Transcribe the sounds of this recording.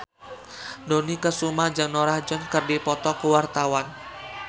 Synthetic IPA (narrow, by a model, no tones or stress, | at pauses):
donikəsumahd͡ʒaŋnoɾahd͡ʒɔnkərdipɔt̪ɔkəwart̪awan